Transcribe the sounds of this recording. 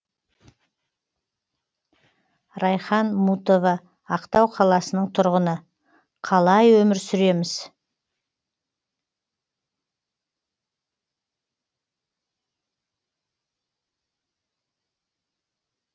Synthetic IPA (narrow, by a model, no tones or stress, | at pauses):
ɾɑjχɑnmut̪o̞vɑː | qt̪ɑwqʰɑlˠɑsənəɴt̪ʰʊɾʁənə | qʰɑlˠɑjwɵmɪɾsʏɾe̞mɪz̥